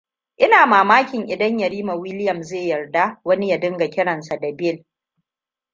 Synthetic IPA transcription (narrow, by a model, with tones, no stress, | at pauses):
ʔɪ˦naː˨maː˨maː˦kʲɪ˨ŋʔɪ˨dɐ˦ɲjɐ˨ɽiː˦ma˨wɪ˦lɪ˦jɐ˨mzeː˦˨jɐ˨rda˦wɐ˦ni˦ja˨dɪ˦ŋɡa˨kʲɪ˦ɽɐ˨nsa˨da˨bɪ˦˨l